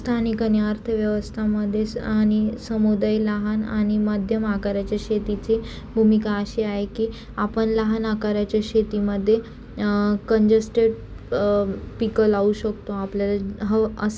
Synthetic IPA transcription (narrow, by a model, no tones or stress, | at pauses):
st̪ʰanikanjaɾt̪ʰəʋjəʋəst̪ʰaməd̪ʱːjeañisəmud̪ajlaɦana̰ɽ̃imad̪ʱjəmakaɾat͡ɕjaɕet̪it͡si | bʱumikaəɕiaɦekiː | apəɳlaɦanakaɾat͡ɕjaɕet̪iməd̪ʱːje | kəɲd͡ʑəsʈeɽ | pikəlauɕəkt̪oapljalaɦəəs